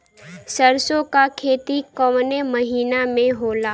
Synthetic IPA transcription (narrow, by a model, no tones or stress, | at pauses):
səɾsõkakʰeːt̪ikɔmneməɦiːnamẽɦoːlaː